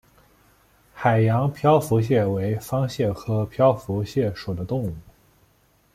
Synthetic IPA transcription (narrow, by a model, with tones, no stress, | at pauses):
xa˨˩ɪjɑ˧˥ŋpʰjɑ˥ʊfu˧˥ɕ̬jɛ˥˩we˧˥ɪfɑ˥ŋɕjɛ˥˩kʰɤ˥pʰjɑ˥ʊfu˧˥ɕjɛ˥˩ʂu˨˩d̪ə˦t̪ʊ˥˧ŋu˥˩